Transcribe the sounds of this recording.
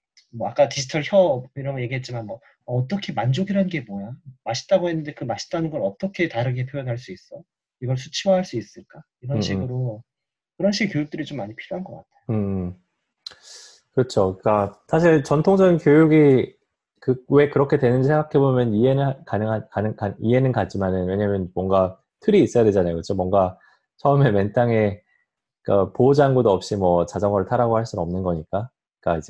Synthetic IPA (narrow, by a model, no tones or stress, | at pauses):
mʌak͈atiɕʰi̥tʰʌɭçjʌiɾʌɡje̞ɡiɦet̚t͡ɕ͈imanmʌː | t͈ʌkʰe̞mand͡ʑoɡiɾɦanɡe̞mojamaɕʰi̥t͈aɡoɦe̞nːɯndekɯmaɕʰi̥t͈anɯnɡʌɾʌt͈ʌkʰe̞taɾɯɡe̞pʰjojʌnɦaɭs͈uis͈ʌ | iɡʌɭsʰu̥t͡ɕʰiwʌɦaɭs͈uis͈ɯɭk͈a | iɾʌnɕʰiɡɯɾo | kɯɾʌnɕʰiɡɯkjojuk̚t͈ɯɾit͡ɕomːaɲipʰiɾjoɦanɡʌk͈atʰe̥joɯ | kɯt͡ɕʰoik͈asʰaɕʰiɭt͡ɕʌntʰoŋd͡ʑʌɡinkjojuɡi | kɯwe̞kɯɾʌkʰe̞dwe̞nɯnd͡ʑisʰeŋɡakʰe̞bomjʌnie̞nkanɯŋɦakanɯkaie̞nɯnkat̚t͡ɕ͈imanɯnwe̞ɲamjʌnmwʌŋɡa | tʰɯɾiːs͈ʌjade̞d͡ʑanajokɯt͡ɕʰomwʌŋɡa | t͡ɕʰʌɯme̞ment͈aŋe̞ | k͈apod͡ʑaŋɡudoʌp̚ɕ͈imwʌt͡ɕad͡ʑʌŋʌɾɯɭtʰaɾaɡohaɭs͈unʌmnɯnɡʌɲik͈a | ik͈aid͡ʑe